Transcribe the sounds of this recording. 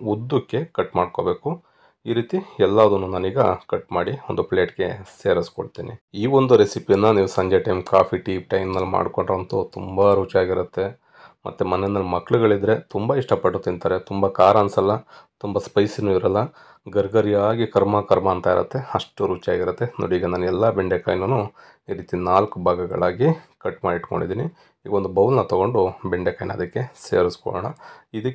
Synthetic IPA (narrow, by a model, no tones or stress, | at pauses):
ud̪ːukːe̞kɐʈmaːɖko̞ːbe̞ːku | iːɾiːt̪iɛlːaːʋɐd̪unːunaːniːɡɐkɐʈmaːɽiond̪upleːʈɡe̞seːɾiskoɽt̪iːnḭiːʋo̞nd̪uɾesipijɐnːɐniːʋusɐɲd͡ʒɐʈɐjmkaːpʰiʈiːʈɐjmnɐlːma̰ːɽkoɳɖɾont̪ut̪umbɐɾuːt͡ʃaːɡiɾɐt̪ːe̞ | mɐ̰t̪ːumɐnenːɐlːmɐkːɭuɡɐɭid̪ɾe̞t̪umbɐiʂʈɐpɐʈːut̪ːint̪aːɾet̪umbɐkaːɾaːnsɐlːɐt̪umbɐspɐjsinːuiɾɐlːɐ | ɡɐɾɡɐɾijaːɡikɐɾmɐkɐɾmɐːnt̪aiɾɐ̰t̪ːe̞ɐʂʈuɾuːt͡ʃia̰ːɡiɾut̪ːeno̰ːɽiːɡɐnaːnɛlːɐbɛɳɖekɐjnɐnːu | iːɾiːt̪inaːlkubʱaːɡɐɡɐ̰ɭaːɡikɐʈːmaːɖiʈːuko̰ɳɖid̪iːni | iːɡɐond̪ubɐwlnɐt̪ɐɡo̞ɳɖubɛɳɖekɐjnɐ̰d̪ɐkːe̞se̞̰ːɾiskɔ̰ɭɔ̰ːɳɐid̪ɐkː